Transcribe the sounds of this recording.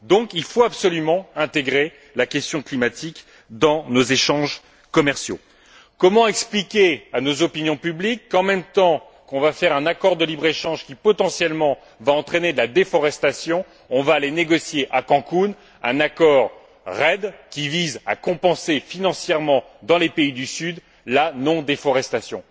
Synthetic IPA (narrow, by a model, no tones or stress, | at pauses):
d̪ɔ̃kilfoapsɔlymɑ̃ɛ̃t̪eɡʁe | lakʲɛst̪jɔ̃klimat̪ik | d̪ɑ̃nozeʃɑ̃ʒ | kɔmɛʁsjo̰ | kɔmɑ̃ɛksplikʲeanozɔpinjɔ̃pyblikːɑ̃mɛmt̪ɑ̃ | kɔ̃vafɛʁɛ̃nakɔʁd̪əlibʁeʃɑ̃ʒkʲipɔt̪ɑ̃sjɛlmɑ̃ | vaɑ̃t̪χened̪lad̪efɔʁɛst̪asjɔ̃ | ɔ̃vaːleneɡɔsjeʔakɑ̃kun | ɛ̰̃nakɔʁ | ʁɛd̪kʲiviza̰kɔ̃pɑ̃sefinɑ̃sjɛʁmɑ̃d̪ɑ̃lepeid̪ysyd̪ | lanɔ̃d̪efɔʁɛst̪asjɔ̰̃